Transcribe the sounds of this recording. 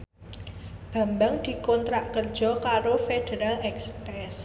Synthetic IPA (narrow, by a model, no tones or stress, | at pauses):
b̥a̤mbaŋd̪̥i̤kɔnt̪ɾaʔkərd̥ʒ̥ɔ̤kaɾofeɖ̪̥əɾalɛksptɛs